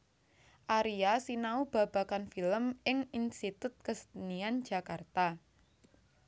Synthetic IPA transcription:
ʔaɾiasinaub̥ä̤b̥a̤kanfiləmɪŋinst̪it̪ʊt̪̚kəsə̥t̪nian̥ʒ̥a̤kart̪a

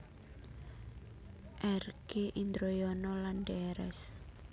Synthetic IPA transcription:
ʔɛrɡ̥eʔind̪ɾojɔnɔlandɛɾɛ̰s

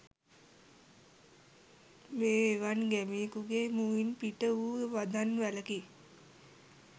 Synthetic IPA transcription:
meːʋanɡæmiːkuɡemuinpiʈəuːʋad̪ʱanʋæləki

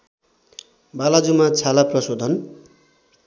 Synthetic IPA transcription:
balad͡zumat͡sʰalaprʌsod̪ʱʌn

